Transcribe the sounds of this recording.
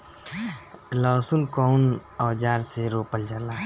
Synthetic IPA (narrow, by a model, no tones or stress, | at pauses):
lɔːsunkɔwnɔːd͡ʒaːɾseɾoːpəld͡ʒəɾlaː